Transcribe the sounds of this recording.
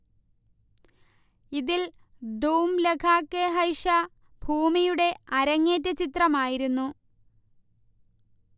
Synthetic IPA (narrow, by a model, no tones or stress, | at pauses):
iðil | d̪uːmlekʰaːkːeɦɐjʂa | bʱuːmijuɽe̞ɐɾɐŋːeːt̬ːɐt͡ɕit̪rɐmaːjiɾunːu